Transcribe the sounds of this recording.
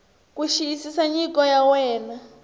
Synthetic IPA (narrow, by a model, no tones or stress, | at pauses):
kuʃiisisaɲikɔjawɛːna